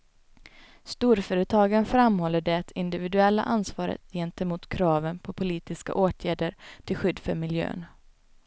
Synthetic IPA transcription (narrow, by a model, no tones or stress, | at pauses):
st̪uːɾfœːɾət̪ʰɑːɡaənfɾamhɔlːəɖɛt̪ʰɪnd̪ɪvɪd̪ɵɛlːa̰ʔansvɑːɾə̰t̪jɛnt̪ɛmuːt̪kʰɾɑːvənpʰɔpʰʊliːt̪ɪska̰ʔoːt̪ʰjæːɖəɾʈ̪ʰɪlɧʏd̪ːfœɾmɪljø̰ːn